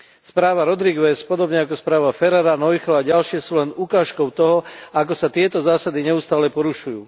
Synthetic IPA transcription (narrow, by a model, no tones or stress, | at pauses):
spɾaːʋaɾɔd̪ɾiɡʋɛspɔd̪ɔbɲɛakɔspɾaːʋafɛɾaɾanɔjxɔaɟalʃɪɛsuːlɛnukaːʃkɔʊt̪ɔɦɔakɔsat̪ɪɛt̪ɔzaːsad̪iɲɛust̪aːlɛpɔɾuʃujṵː